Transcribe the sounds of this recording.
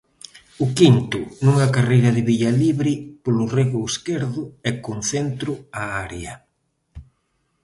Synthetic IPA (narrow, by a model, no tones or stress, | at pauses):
ʊkint̪ʊnuŋakarejɾɐðɪβiʎaliβɾɪpolʊreɣʊeskeɾðʊɛkon̟θent̪ɾʊaaɾjɐ